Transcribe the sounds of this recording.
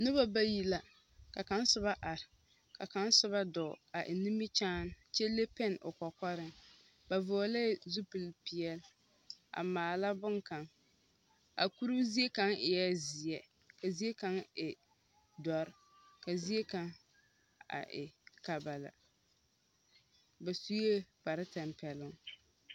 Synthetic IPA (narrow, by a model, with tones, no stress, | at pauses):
nʊ˦ba˦ba˦ji˦la˨ | ka˨ka˦n˦sʊ˦βa˦ʔa˨ɾɪ˨ | ka˨ka˨˦n˦sʊ˦βa˦dɔ˨a˨ʔɪ˨ni˦mi˦t͡ʃaː˦n˦t͡ʃe˦le˦pɛ˦nʔʊ̰˨kɔ˨kɔ˦ɾɪ˦ŋ | ba˨vʊ˨ɔ˨la˦zu˦pɨ˨lpi˨ɛ˦l | ʔa̰˨maː˨la˦bʊ˦ŋka˨ŋ | a̰˨ku˦ɾu˦zi˦e˦ka˦ŋɪ˨jɛ˦zɪ˨ɛ˦ | ka˨zi˦e˦ka˦ŋɪ˨ | dɔ˨ɾɪ˦ | ka˨zi˦e˦ka˦ŋ | a̰˨ʔɪ̰˨ka˨ba˨la̰˨ | ba˨su˦e˦pa˨ɾɪ˦ta˨mpɛ˨lʊ˦ŋ